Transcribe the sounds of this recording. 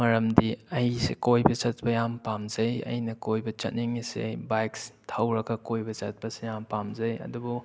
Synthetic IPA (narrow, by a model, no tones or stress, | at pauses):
mɐɾɐmdiɐjsḛkojbɐt͡ʃɐt̚bɐjampamzɐjɐ̰jnɐkojbɐt͡ʃɐ̰t̚niŋisḛbajkstʰawɾɐɡɐkojbɐt͡ʃɐt̚pɐsejampamzɐjɐ̰dubu